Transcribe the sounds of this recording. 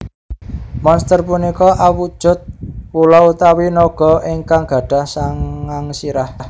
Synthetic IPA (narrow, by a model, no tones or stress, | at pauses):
mɔnst̪ərpunikɔʔawud̥ʒ̥ʊ̤t̪̚pulɔut̪awinɔɡ̥ɔ̤iŋkaŋɡ̥ä̤ɖ̥a̤hsaŋaŋsiɾahh